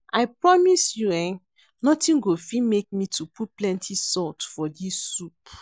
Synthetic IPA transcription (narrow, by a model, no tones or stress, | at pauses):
aɪpɹɔmisjuɛ̃n | nɔtĩnɡofimek̚mitʰuput̚plɛ̃ntʰisɔtfɔdisːup